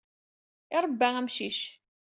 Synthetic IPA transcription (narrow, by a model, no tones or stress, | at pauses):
ɪɾˤbːææmʃiʃ